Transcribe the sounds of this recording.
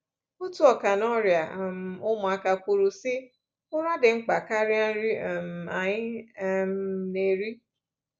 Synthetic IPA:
u˦tu˦ɔ˨ka˨nɔ˦ɾja˨m˨ʊ˦mʊ˨a˨ka˨kʷo˨ɾu˨sɪ˦ | ʊ˦ɾa˦dɪ˨ŋ͡m̩˦k͡pa˨ka˦ɾɪ˦a˦ɾi˦˨m˨a˨ɲɪ˦m˦ne˨ɾi˦

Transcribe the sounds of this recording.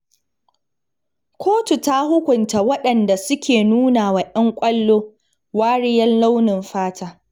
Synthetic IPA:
kʰʷoː˦tu˨ta˦hʊ˦kʷʊ˨nta˨wɐ˦ɗɐ˨nda˨sʊ˦kʲeː˨nuː˦na˨wa˨ʔɐ˦ŋkʷʼɐ˦lːoː˦ | waː˦ɽɪ˦jɐ˦nla˦wnɪ˨mɸaː˦tʰaː˦

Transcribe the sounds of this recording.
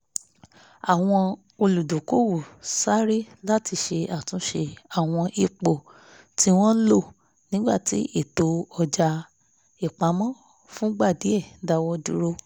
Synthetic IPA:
a˨w̃ɔ̃˧ | o˧lu˨do˨ko˦wu˦˨sa˦ɾi˦la˦ti˧ʃe˧a˦˨tũ˨˦ʃe˧a˦˨w̃ɔ̃˧ʔi˧k͡po˨ | ti˧w̃ɔ̃˦n̩˦lo˦˨ | nĩ˨˦ɡ͡ba̰˦˨ti˨˦ʔi˦˨to˨˦ɔ˧d͡ʒa˧ | i˦˨k͡pa˨˦mɔ̃˦ | fũ˦ɡ͡ba˦˨di˨˦ɛ˦˨˦da˧˦wɔ˧dṵ˦ɾo˧

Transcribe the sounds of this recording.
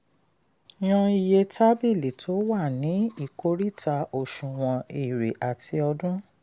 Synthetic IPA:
j̃ɔ̃˧i˨je˧tʰa˦bi˦˨li˨tʰo˨˦wa˦˨nĩ˨˦i˦˨ko˧˦ɾi˦ta˧o˨ʃũ˨w̃ɔ̃˧i˨ɾe˨ʔa˨ti˧ɔ˧dũ˦

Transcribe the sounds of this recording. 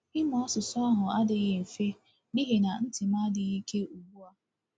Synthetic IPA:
ɪ˦mɔ˦sʊ˨sɔ˦a˦ɦʊ˨a˦dɪ˨ɣe˨m̩˨fe˦ | ni˦ɦe˨na˨n̩˦tɪ˨ma˦dɪ˨ɣi˦ke˦u˨ɡ͡bu˦a˦

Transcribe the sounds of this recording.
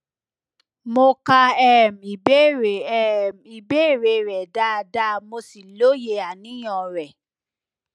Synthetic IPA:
mo˧ka˧ɛ˦˨m˨i˨be˦˨ɾm˨i˨be˦˨ɾe˨ɾɛ˨da˧da˧˦mo˧si˨lo˨˦je˧a˨nĩ˨˦j̃ɔ̃˧˨ɾɛ˨

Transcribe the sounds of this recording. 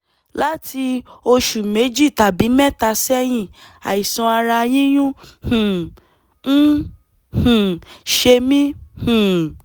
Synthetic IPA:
la˦tʰi˧o˧ʃu˨me˨˦d͡ʒi˦˨ta˨bi˨˦mɛ˦˨ta˧sɛ˦j̃ĩ˦˨ | a̰˨i˨sɔ̃˧a˧ɾa˧jĩ˦j̃ũ˦hũ˨˦ | h̩˨ʃe˧mĩ˦h̩˨

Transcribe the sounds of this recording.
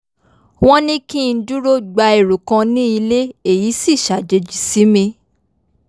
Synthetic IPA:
w̃ɔ̃˦nĩ˦kĩ˦˧n̩˦du˦ɾo˦ɡ͡ba˧e˨ɾo˨kã˧nĩ˦i˧le˦e˦˨ji˨˦si˦˨ʃa˨d͡ʒe˧d͡ʒi˨si˨˦mĩ˧

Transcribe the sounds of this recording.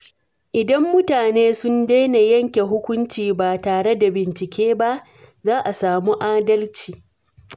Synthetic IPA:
ʔɪ˨dɐ˦mːʊ˦taː˨neː˦sʊ˦ndeː˦ne˨jɐ˦ŋkʲe˨ɦʊ˦kʷʊ˦nt͡ʃiː˨baː˨taː˨ɽe˦da˨bɪ˨nt͡ʃɪ˨kʲeː˦ba˦ʔ | zaː˦ʔa˨saː˨muː˦ʔaː˦dɐ˦lt͡ʃiː˨

